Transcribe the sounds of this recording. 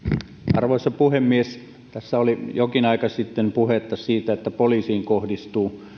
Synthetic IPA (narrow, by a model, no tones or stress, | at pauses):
ʔɑ̰rʋoˑisːɑpuhemːies | t̪æsːæolijokinɑikɑsit̪ːempuhet̪ːɑsiːt̪æet̪ːæpoliːsiːŋkohdist̪uː